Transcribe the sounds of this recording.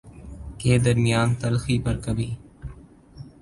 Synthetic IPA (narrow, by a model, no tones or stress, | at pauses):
keːd̪əɾmɪjaːnt̪əlxiːpəɾkəbiː